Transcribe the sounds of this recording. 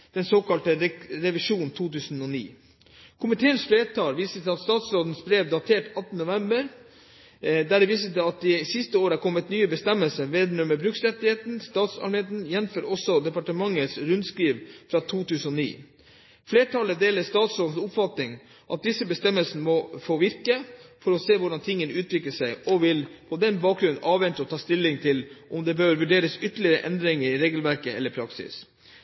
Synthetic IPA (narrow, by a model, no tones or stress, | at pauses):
d̪̥ɛnsoːkɑlt̪əɾɾɛʋɪʂuːnt̪ʰuːt̪ʉːsn̩ɔnḭː | kʰʊmɪt̪ʰeːənsfleːt̪ʰɑːlʋiːsət̪ʰɪlɑt̪st̪ɑːt̪sɾoːd̪n̩sbɾeːʋd̪ɑt̪ʰeːʈɑt̪nənʊʋɛmbəɾ | d̪æɖɛʋiːsət̪ɪlɑt̪̚d̪ɪsɪst̪əoːɾəæɾkʰɔmːət̪nyːəbəst̪ɛməlsəʋeːd̪nœməbɾʉksɾɛt̪ːɪheːt̪n̩st̪ɑːt̪sɑ̰lmeːt̪n̩jɛnføːɾɔsɔd̪ɛpɑʈəmɑŋːəsɾʉnd̪skɾiːʋfɾɑt̪ʰuːt̪ʉːsən̩ɔnḭː | fleːʈʰɑləd̪eːləst̪ɑːt̪sɾoːd̪n̩sʊpfɑt̪nɪŋ | ʔɑt̪̚d̪ɪsːəbəst̪ɛməlsnəmɔfoːʋɪɾkəfɔɾɔseːʋʊɖɑnt̪ʰɪŋːənəʉːt̪ʰʋɪkləʂæɪɔʋɪlpʰɔd̪ɛnbɑːk̚ɡɾʉn̩ʔɑːʋʋɛnt̪əɔt̪ʰɑːst̪ɪlːɪŋt̪ʰɪlʔɔmd̪ɛbøːɾʋʉɖeːɾəsʏt̪ːəlɪəɾə̰ʔɛnd̪ɾɪŋəɾɪɾeːɡəlʋæɾkəɛ̰lːəɾpʰɾɑksɪ̰s